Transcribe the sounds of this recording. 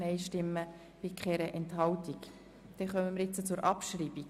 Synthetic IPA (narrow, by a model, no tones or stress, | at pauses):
nɛɪʃtɪmːə | pɪkχɛɾəʔɛnthɑwtik | d̥ɛχœməməɾjɪt͡sət͡sʊɾʔɑpʃɾiːb̥i